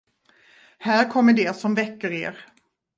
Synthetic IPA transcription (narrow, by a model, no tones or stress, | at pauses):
hæːɾkʰɔmːəɖɛsɔmvɛkːəɾḛːɾ